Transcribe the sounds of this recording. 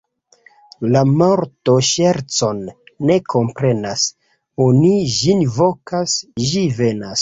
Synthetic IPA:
lamoɾto̞ʃeɾt͡so̞nːe̞kʰo̞mpɾe̞nas | oniʒinvo̞kasʒive̞nas

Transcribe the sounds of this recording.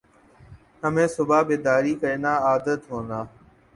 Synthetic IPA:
əmẽːsʊbʱaːbeːd̪aːɾiːkəɾeːnaːaːd̪ət̪ɦõːnd̪aː

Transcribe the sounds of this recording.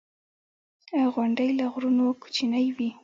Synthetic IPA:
ɣwʊɳɖəjlaɣɾunoku̥t͡ʃinajwi

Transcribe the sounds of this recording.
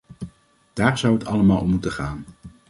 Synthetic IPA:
d̥aːɹz̥ʌwətʰɑləmaːlˠɔmutəχaːn

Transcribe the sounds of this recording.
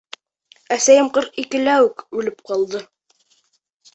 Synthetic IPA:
æsæjɘmqɤɾqikɘ̆læwɘkʉlɘp̚qɑlˠd̪ɤ

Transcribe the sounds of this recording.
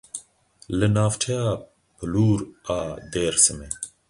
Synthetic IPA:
lənaːfʈʰejaː | pʰəluːɾaːd̪eːɾsəme

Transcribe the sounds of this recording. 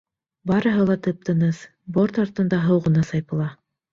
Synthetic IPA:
bɑɾɤ̆ɦɤlˠɑt̪ɤp̚t̪ɤ̆nɤz | boɾt̪ɑɾt̪ɤ̆nd̪ɑɦɤwʁɤ̆nɑsɑjpɤ̆lˠɑ

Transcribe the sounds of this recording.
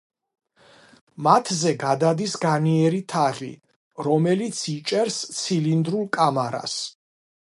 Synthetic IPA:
mat̪ʰzɛɡad̪ad̪isɡaniɛɾit̪ʰaʁḭ | ɾɔmɛlit̪sʰit͡ʃʼɛɾst̪sʰilind̪ɾulˠkʼamaɾa̰s

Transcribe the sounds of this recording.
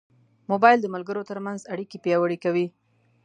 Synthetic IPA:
mobɑjld̪əmalɡəɾot̪əɾmanzaɽikepjɑwəɽikawi

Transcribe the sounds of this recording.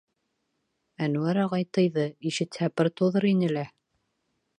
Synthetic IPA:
ænuæɾɑʁɑjt̪ɤjðɤiʃɘ̆t̪hæpɤɾt̪oðɤɾinɘ̆læ

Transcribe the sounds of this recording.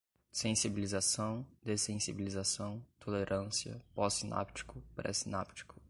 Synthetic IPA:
sẽsibilizasɐ̃w̃d̪esẽsibilizasɐ̃w̃t̪ʰoleɾʔɐ̃siɐ̰pɔsina̰pt͡ʃi̥kʊpɾɛ̰sina̰pt͡ʃi̥kʊ̥

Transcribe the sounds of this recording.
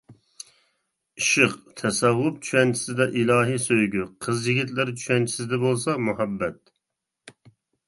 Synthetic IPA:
iʃɨqt̪ʰɛsɛvːʊp̚t͡ʃʰyɛnt͡ʃʰi̥sɪd̪ɛʔilˠɑːɦisøjɡʲyqʰəzjiɡʲit̪lɪɾt͡ʃʰy̥ʃɛnt͡ʃʰi̥sɪd̪ɛbolˠsɑmuhɑbːɛt̪̚

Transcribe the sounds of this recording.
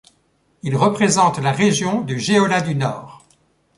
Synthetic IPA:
ilʁəpχezɑ̃t̪laʁeʒjɔ̃d̪yʒeɔlad̪ynɔːʁ

